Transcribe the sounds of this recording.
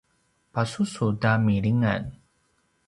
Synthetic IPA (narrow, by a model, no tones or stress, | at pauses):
pasusudamiɭiŋa̰n